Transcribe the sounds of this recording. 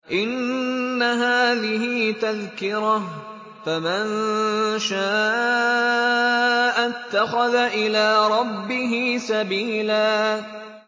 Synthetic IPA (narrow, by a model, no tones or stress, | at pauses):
ʔɪnːaɦaːðɪɦɪt̪aðkɪɾah | famɪnʃaːʔ | ʔat̪ːaxaðaʔɪlaːɾˤɑbːɪɦɪːsabiːlaː